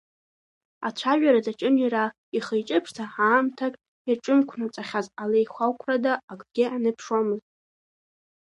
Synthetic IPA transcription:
at͡ʃʷʰaʒᶣaɾad͡zat͡ʃʼɪnjaɾa | iχəjt͡ʃʼɪpʰʂtʰaħaːmtʰakʼ | irʈ͡ʂʼɨmkʷʰnat͡sʷʼaχʲazalejχʷawkʷʰradaːkʼɡʲɪanɨpʰʂwamɨztʼ

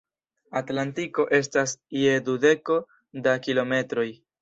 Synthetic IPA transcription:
atlantiko̞ʔe̞stasie̞dude̞ko̞ | dakilo̞me̞tɾo̞j

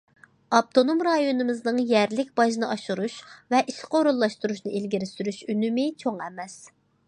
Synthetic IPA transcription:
ɑp̚t̪ʰonomɾɑjonɨmɪznɨŋjɛɾlɪkʲb̥ɑʒnɨʔɑʃuɾuʃvɛʔiʃqʰoɾulˠːɑʃt̪uɾuʃnɨʔilɡʲiɾɪsyɾyʃynymɪt͡ʃʰoŋɛmɛs

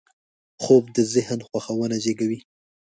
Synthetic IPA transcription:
xob̚d̪əzɪhnxwaxawənad͡ʒeɡawi

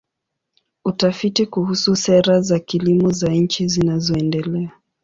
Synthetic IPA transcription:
utafitikuhususɛɾazakilimɔzaɲ̩t͡ʃizinazɔɛndɛlɛa

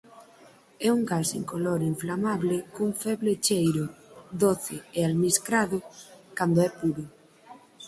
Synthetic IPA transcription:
ɛuŋɡasḛŋkoloɾiɱflamaβlɪkuɱfɛβlet͡ʃejɾʊðoθɪealmiskɾaðʊkand̪oɛpuɾʊ

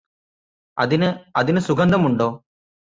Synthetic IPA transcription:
ɐðinɐðinɨsuɡɐnd̪ɐmuɳɖoː

